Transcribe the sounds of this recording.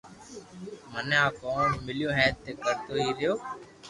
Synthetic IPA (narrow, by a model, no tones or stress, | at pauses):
məneãːkoːɳmɪlɪjõːɦɛ̃ːt̪ːeːkəɾt̪oːɦiːɾɪjoː